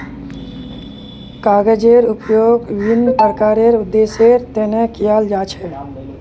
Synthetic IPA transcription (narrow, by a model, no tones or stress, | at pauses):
kaːɡed͡ʒeɾʊpjoːɡʋinːpəɾəkaːɾeɾʊd̪ːeseɾt̪enekijald͡ʒaːt͡ʃʰɛ